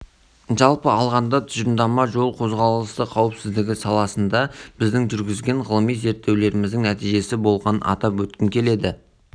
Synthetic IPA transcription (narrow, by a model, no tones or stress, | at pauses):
ʒɑlˠpəɑlˠʁɑnd̪ɑt̪ʰʏzənd̪ɑmɑʒo̞lˠqʰo̞zʁɑlˠəst̪əqʰɑwəpsɪzd̪ɪɡʲɪsɑlˠɑsənd̪ɑb̥ɪzd̪ɪŋʒʏɾɡʲɪzɡʲe̞ɴʁəlˠəmijze̞ɾt̪ːe̞wle̞ɾɪmɪzd̪ɪŋnæt̪ijʒe̞sɪbo̞lˠʁɑnɑ̰t̪ɑpwɵt̪̚kʲɪŋkʲʰe̞le̞d̪ɪ